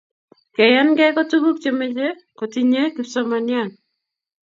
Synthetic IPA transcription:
ke˨ja˦nɡɛ˦ko˦tu˦bu˦kt͡ʃeme˦t͡ʃe˦ | ko˨ti˨ɲe˦kiso˦ma˨nja˦˨n

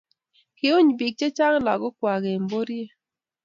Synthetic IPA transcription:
kɪ˨ʊ˦ɲbi˨k̚t͡ʃe˦t͡ʃa˦ŋla̰˨ɡɔ˦kwa˨ɡe˨mbo˦ɾje˦

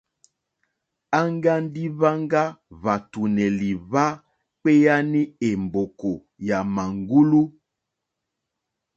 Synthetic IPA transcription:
a˦ŋɡa˦n˦di˦βa˦ŋɡa˦βa˨tu˨nɛ˨li˨βa˦ | k͡pe˦ja˦ni˦e˨mbo˨ko˨ | ja˨ma˨ŋɡu˦lu˦

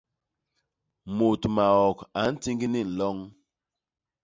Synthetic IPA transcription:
mo˨tma˨ɔ˨ka˨˦n̩˦ti˦ŋɡi˦ni˦˨n̩˨lɔ˦ŋ

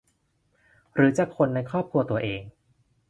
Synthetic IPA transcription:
ɾɯː˩˦t͡ɕaː˨˩kʰːo˧nːa˧jkʰɾɔː˥˩p̚kʰu˧ɐt̪u˧ɐʔeː˧ŋ

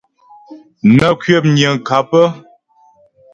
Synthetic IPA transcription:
nə˨kɥjə˦˨p̚ɲjə˨ŋ˨ka˨˦pə˦

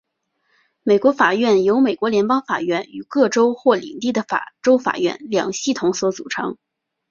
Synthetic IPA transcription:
me˨˩ɪkwɔ˧˥fa˨˩ɥɛ˥˩njo˧˥ʊme˨˩ɪkwɔ˧˥ljɛ˧˥npɑ˥ŋfa̰˨˩ɥɛ˥˩ny˨˩kɤ˥˩ʈ͡ʂo˥ʊxwɔ˥˩lḭ˨˩ŋt̪i˥˩d̪ə˩fa̰˨˩ʈ͡ʂo˥ʊfa̰˨˩ɥɛ̰˥˩nljɑ̰˨˩ŋɕi˥˩t̪ʰʊ˧˥ŋswɔ˧˥t͡sṵ˨˩ʈ͡ʂʰɤ̰˧˥ŋ

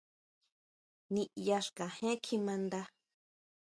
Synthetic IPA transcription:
nĩ˧ʔja˧ʂkã˨hẽ˦kʰi˧mã˧nd̪a˧

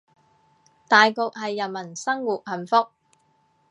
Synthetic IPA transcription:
t̪aː˨jko˨k̚ɦɐ˨jːɐ˨˩nmɐ˨˩nsɐ˥ŋwuː˨k̚hɐ˨˩nfʊ˥k̚

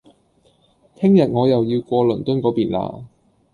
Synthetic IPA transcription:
t̪ʰɪ˥ŋjɐ˨t̚ŋɔː˨˧jɐ˨wji˧wkʷɔː˧lɵ˨˩nt̪ɵ˥nkɔː˨˥piː˨˩nla̰ː˧

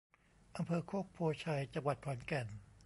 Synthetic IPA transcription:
ʔa˧mpʰɤː˧kʰoː˥˩k̚pʰoː˧t͡ɕʰa˧jt͡ɕa˧ŋwa˨˩t̪̚pʰɔː˩˦nkɛ˨˩n

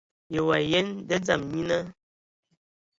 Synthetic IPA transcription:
je˨wa˨je˦ndə˦d͡za˦˨mɲi˦na˦

